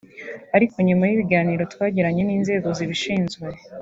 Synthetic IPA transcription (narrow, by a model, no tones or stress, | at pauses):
aɾiko̞ɲumajiβiɡaːniːɾo̞tkwaːɟiɾaɲe̞niːnze̞ːɡo̞ziβiʃiːnzwue